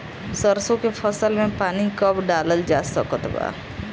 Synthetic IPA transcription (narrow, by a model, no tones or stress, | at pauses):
səɾsõkepʰəsəlmẽpaːnikəbɖaːləld͡ʒaːsəkət̪ba̰ː